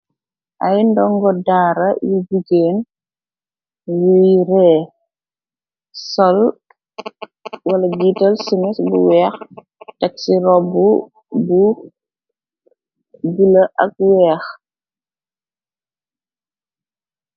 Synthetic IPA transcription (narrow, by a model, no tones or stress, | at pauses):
ʔɐjndɔŋɡɔdaːɾɐjud͡ʒuɡeːn | wujɾɛː | sɔl | wɐlɐɡitɐlsiŋisbṵwɛːx | tɐk̚siɾɔbu | bu | ɡilɐʔɐk̚wɛːx